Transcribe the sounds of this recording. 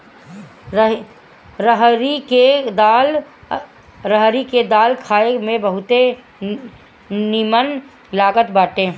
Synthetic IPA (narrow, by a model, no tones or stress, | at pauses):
ɾəɦɾiked̪aːl | ɾəɦɾiked̪aːlkʰaːemẽbəɦʊt̪e | nimən | laːɡət̪baːʈẽː